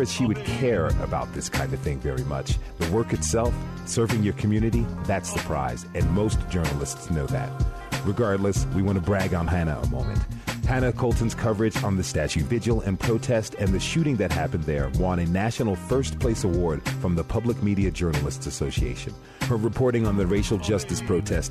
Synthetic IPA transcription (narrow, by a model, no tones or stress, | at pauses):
ɨz̥ʃiwɨd̚kʰɛɹɨ̰baʊt̪̚ðɪskʰãɪ̃ndʌv̥θɪ̃ŋvɛɹimʌ̰t͡ʃðəwɜ˞kɨtsɛlˠf | sɜ˞vɪ̃ŋjə˞kʰm̩jʉnɨɾiðætsðɨpʰɹ̥a̰ɪz̥ɨ̃nmoʊsd̥ʒ̥ɜ˞nl̩ˠəstsnoʊðɨ̰t̚ | ɹɨɡɑɹdˡləswiwɑ̃ɾ̃ɨbɹæɡn̩ɦænɨə̰mõ̰ʊ̃mɨ̰̃nt̚hæñɨkʰoʊlˠtn̩z̥kʰʌvə˞ɨd͡ʒn̩ðɨstæt͡ʃʉvɪd͡ʒl̩ˠɨ̰̃npʰɹ̥oʊtʰɛstɨ̃nðɨʃʉɾɪ̃ŋðɨt̚hæpɨ̃n̩ðə˞wɑ̃ɾ̃ɨnæʃnl̩ˠfɜ˞spʰl̥eɪsəwɔɹd̥fɹʌ̃mðəpʰʌbləkmiɾiɨd͡ʒɜ˞nl̩ˠəstsɨsoʊsiḛɪʃɨ̰̃n | hə˞ɹɨpʰɔɹɾɪ̃ŋə̃nðɨɹeɪʃl̩ˠd͡ʒʌstɨspʰɹ̥oʊtʰɛst̚